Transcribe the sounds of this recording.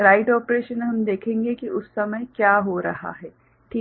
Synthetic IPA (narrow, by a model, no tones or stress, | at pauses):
ɾaːɪʈɔːpɾeːʃənɦɐmd̪eːkʰẽːŋɡekiʊsːɐməjkjaːɦoɾɐ̰ɦa̰ɦɛː | ʈʰiː